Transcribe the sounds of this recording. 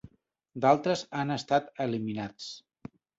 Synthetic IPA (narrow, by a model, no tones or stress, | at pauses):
d̪alˠt̪ɾəzanəst̪at̪əliminat͡s